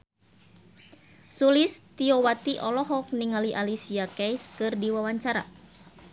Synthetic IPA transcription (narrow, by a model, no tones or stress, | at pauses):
sulist̪iowat̪iʔɔlɔɦɔk̚niŋaliʔalisiakɛjskɨrdiwawaɲt͡ʃaɾa̰